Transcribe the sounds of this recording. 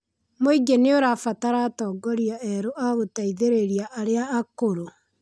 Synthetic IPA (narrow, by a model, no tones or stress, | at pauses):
mwiɡeneoɾafataɾatɔːɡɔɾiaɛɾoʔaɣotaiðeɾeɾiaʔaɾeaːkoɾo